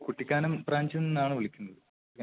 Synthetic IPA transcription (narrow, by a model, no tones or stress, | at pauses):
kuʈːikʲːaːnɐmbraːɲd͡ʑɐninːaːɳɨʋiɭikʲːunːɐðɨ | kɐ